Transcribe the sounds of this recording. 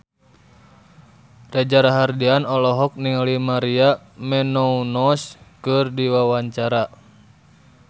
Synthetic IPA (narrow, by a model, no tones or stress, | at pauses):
rad͡ʒaɾaɦardianɔlɔɦɔk̚niŋalimaɾia | mɛnɔunɔskɨrdiwawaɲt͡ʃaɾa